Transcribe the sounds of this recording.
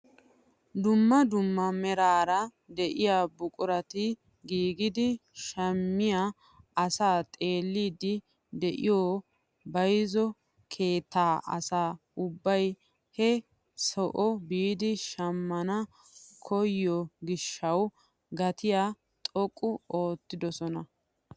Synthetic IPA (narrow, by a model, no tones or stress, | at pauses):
d̪ʊmːɐd̪ʊmːɐmɛɾaːɾɐ | d̪ɛʔɪjaːbʊkʼʊɾɐt̪ɪ | ɡiːɡɪd̪ɪʃɐmːɪja | ɐsaːt̪ʼe̞ːlːiːd̪ɪ | d̪ɛʔɪ̰joː | bɐjzɔ | kʰe̞ːt̪ːaːʔɐ̰saː | ʊbːɐj | hɛ | sɔʔɔbiːd̪ɪʃɐmːɐnɐ | kʰɔjːɔɡɪʃːɐw | ɡɐt̪ɪjaː | t̪ʼɔkʼːʊo̞ːt̪ːɪd̪ɔsɔnɐ